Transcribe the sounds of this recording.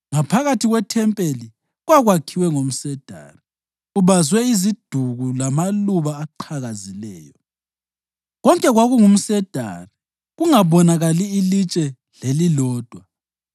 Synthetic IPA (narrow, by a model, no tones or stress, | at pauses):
ŋapʰaɣatʰiɣwɛtʰɛmpʼeli | ɣwaɣwakʰiwɛŋom̩sɛd̥ʱa̰ri | uβazwɛizid̥ʱuɣulamaluβaːǃʰaɣazilɛ̰ːjɔ | ɣɔŋkʼɛɣwaɣuŋum̩sɛd̥ʱa̰ri | ɣuŋaβɔnaɣaliːlit͡ʃʼɛ | lelilɔːd̥ʱwa